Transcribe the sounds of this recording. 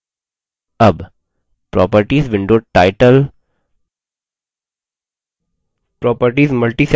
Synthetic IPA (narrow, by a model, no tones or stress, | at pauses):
ɐb | pɾɔ̰ːpəɾʈiːzʋɪ̃ɳɖoːʈaɪʈəl | pɾɔːpəɾʈiːzməlʈis